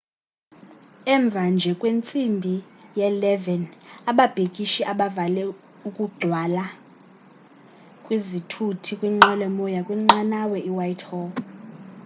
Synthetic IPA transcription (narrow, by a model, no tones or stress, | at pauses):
ɛɱb̪vʱand͡ʒʱɛkʼwent͡sʼimbʱijɛlɛvɛnaɓab̥ʱekʼiʃiʔaɓavalɛ | ukʼuɡ͡ǀʱwala | kʼwizitʰutʰikʼwiŋ͡ǃɛlɛmɔjakʼwiŋ͡ǃanawɛʔiwajtʰhɔ